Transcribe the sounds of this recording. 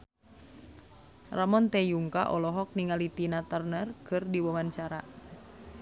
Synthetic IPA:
ramɔnt̪ɛjuŋka̰ʔɔlɔɦɔk̚niŋalit̪inat̪ərnərkʰɨrdiwɔmant͡ʃaɾa

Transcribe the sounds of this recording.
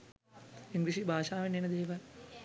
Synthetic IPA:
iŋɡɾiʂibʱaːʂaːʋɐnenɐd̪eːʋa

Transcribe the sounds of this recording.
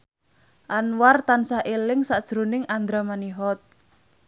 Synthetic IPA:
ʔanwart̪ansaɦʔelɪŋsaʔd̥ʒ̥ɾonɪŋand̪ɾamaniɦɔt̪̚

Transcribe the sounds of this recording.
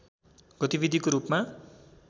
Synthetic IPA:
ɡ̥ʌt̪ibid̪ʱikoɾupma

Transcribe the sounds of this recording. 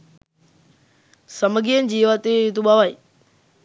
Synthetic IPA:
sɐməɡiənɪ̆d͡ʑiːʋaːt̪et̪uɓaʋaːeː

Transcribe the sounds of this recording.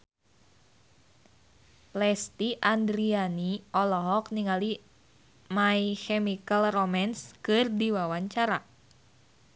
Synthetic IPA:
lɛst̪iʔandɾianiɔlɔɦɔk̚niŋali | maikɛmikəlromanskɨrdiwawaɲt͡ʃaɾa

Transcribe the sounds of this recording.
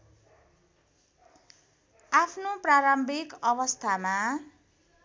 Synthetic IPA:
apʰnopraɾʌmbʱikʌβʌst̪ʰama

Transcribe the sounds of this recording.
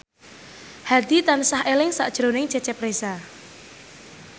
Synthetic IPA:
had̪it̪ansahelɪŋsa̰ʔd̥ʒ̥ɾonɪŋt͡ʃɛt͡ʃɛpɾesa

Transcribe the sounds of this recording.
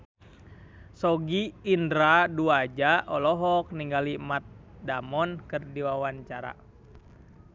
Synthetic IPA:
sɔɡiːndɾaduad͡ʒaʔɔlɔɦɔk̚niŋɡalimat̪̚damɔnkɨrdiwawaɲt͡ʃaɾa̰

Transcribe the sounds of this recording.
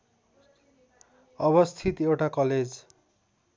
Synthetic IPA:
ʌbʌst̪ʰit̪ewʈakʌled͡z

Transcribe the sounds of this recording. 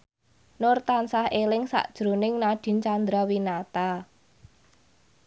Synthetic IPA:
nʊrt̪ansahelɪŋsa̰ʔd̥ʒ̥ɾunɪŋnaɖ̥i̤nt͡ʃand̪ɾawinat̪a

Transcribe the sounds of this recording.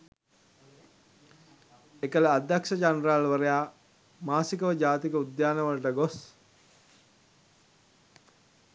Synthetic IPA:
ekələad̪ːakʃəd͡ʒanralʋəɾejaː | maːsikəʋəd͡ʒaːt̪ikəud̪jaːnəʋəlɐʈəɡos

